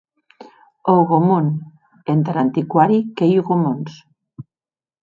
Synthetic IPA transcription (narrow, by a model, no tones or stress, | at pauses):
oɣomun | ent̪ɾant̪ikwaɾikejuɣomons